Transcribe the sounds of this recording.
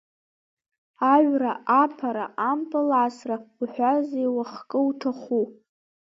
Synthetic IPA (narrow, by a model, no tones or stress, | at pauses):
aʒʷᶣɥʷraapʰaɾa̰ʔampʰʼɨlaʕasrauħᶣʷazejwaχkʼɨuʈ͡ʂʰaχu